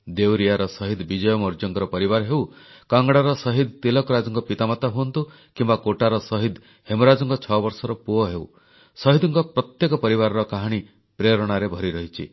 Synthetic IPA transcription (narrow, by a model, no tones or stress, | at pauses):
d̪ewɾijaɾɔsɔɦid̪bid͡ʒɔjɔmɔɾd͡ʒɔŋkɔɾɔpɔɾibaɾɦew | kaŋɡɽaɾɔsɔɦid̪t̪elɔkɔɾad͡ʒɔŋkɔpit̪amat̪aɦuɔnt̪u | kimbakoʈaɾɔsɔɦid̪ | hemɔɾad͡ʒɔŋkɔt͡ʃʰɔbɔɾsɔɾɔpuɔɦew | sɔɦid̪ɔŋkɔpɾɔt̪jekɔpɔɾibaɾɔɾɔkaɦaɽ̃i | pɾeɾɔɽ̃aɾebʱɔɾiɾɔɦit͡ʃʰḭ